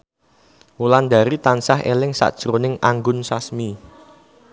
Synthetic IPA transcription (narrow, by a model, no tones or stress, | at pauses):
muland̪a̤ɾit̪ansahʔḛlɪŋsa̰ʔd̥ʒ̥ɾonɪŋaŋɡʊnsasmi